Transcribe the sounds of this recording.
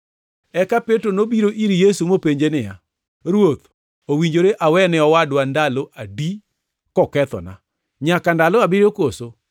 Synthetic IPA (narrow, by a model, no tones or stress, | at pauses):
ɛkapetɾonobiɾoʔiɾijesumopeɲd͡ʒenɪja | ɾwot̪ | owiɲd͡ʒoɾeʔawɛnɛɔwadwandaloʔadi | kɔkɛt̪ɔ̰na̰ | ɲakandalɔabiɾokoso